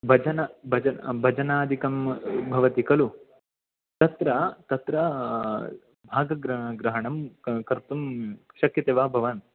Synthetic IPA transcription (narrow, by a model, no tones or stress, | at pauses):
bʱɐd͡ʒɐnɐbʱɐd͡ʒɐbʱɐd͡ʒɐnaːd̪ʱikɐmbʱɐʋɐt̪ikɐlu | t̪ɐt̪ɾɐt̪ɐt̪ɾɐ | bʱaːɡɐɡɾɐɡɾɐɦɐɳɐmkɐɾt̪umʃɐkjɐt̪eːʋaːbʱɐʋɐn